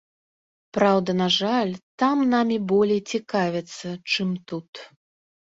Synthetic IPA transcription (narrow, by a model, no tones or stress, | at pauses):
pɾawd̪ɐnaʐalʲt̪amnamʲibɔlʲejt͡sʲikavʲɛt̪sːɐt͡ʂɨmt̪ut̪